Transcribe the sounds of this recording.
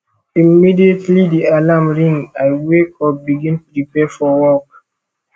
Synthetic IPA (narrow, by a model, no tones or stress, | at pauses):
imidietlidialamɹĩŋajwekɔbiɡĩntu̥ɹipɛfɔwɔk̚